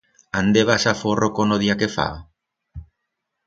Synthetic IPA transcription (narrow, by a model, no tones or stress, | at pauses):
and̪eβasaforʔokonoðiakefa̰